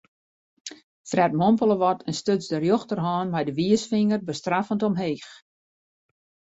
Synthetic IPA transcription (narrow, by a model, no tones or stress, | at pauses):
frɛtmɔmpəlˠəʋɔtʰənstøt͡sdərjoxtərɦɔːnmɛjdəʋiəsfiŋərbəstrafəntɔmɦeːx